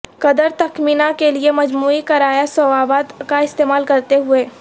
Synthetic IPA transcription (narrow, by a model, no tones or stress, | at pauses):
kɐd̪əɾt̪ɐkmiːnakeliemɐd͡ʒmuːikɐɾaːjasowaːbaːd̪kaɪst̪eːmaːlkɐɾt̪eɦʊeː